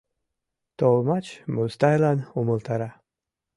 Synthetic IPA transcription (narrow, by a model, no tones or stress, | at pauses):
t̪olˠmat͡ʃmust̪ajlˠanuməlˠt̪ʰɑɾa